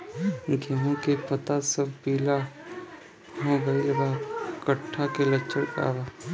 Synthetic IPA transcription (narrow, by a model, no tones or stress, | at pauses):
ɡʱiɦõkepət̪asəbpiːla | moːbəɪlɡakəʈʰːakelət͡ʃʰəɽka̰ːbaː